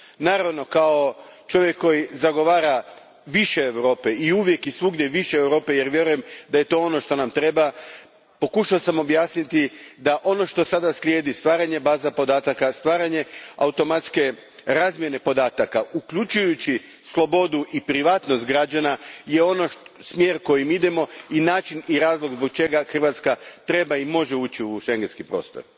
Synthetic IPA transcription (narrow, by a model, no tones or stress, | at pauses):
naːɾaʋno̞kao̞t͡ʃo̞ʋjekʰːo̞jizaɡo̞ʋaːɾa | ʋiʃe̞ːwɾo̞ːpe̞iuʋje̞kisʋuɡɲeʋiʃeːwɾo̞ːpe̞je̞ɾʋje̞ɾuje̞md̪aje̞t̪o̞o̞no̞ʃt̪o̞namt̪ɾe̞ba | po̞kuʃaosamo̞bjaːsnit̪id̪aʔo̞no̞ʃt̪o̞sad̪aslʲjeːd̪ist̪ʋaːɾaɲe̞baːzapo̞d̪aːt̪akast̪ʋaːɾaɲe̞aut̪o̞mat̪ske̞ | ɾaːzmje̞ne̞po̞d̪aːt̪akaukʎut͡ʃujut͡ɕi | slˠo̞bo̞d̪uʔipɾiʋaːt̪nost̪ɡɾad͡ʒanaje̞o̞noʃsmjeːɾko̞jimid̪e̞mo̞inaːt͡ʃiniɾaːzlˠo̞ɡzbo̞k̚t͡ʃe̞ɡaxr̩ʋat̪skat̪ɾe̞baimo̞ʒeuːt͡ɕiuʃe̞ŋɡenskipɾo̞̰ːst̪o̞̰ɾ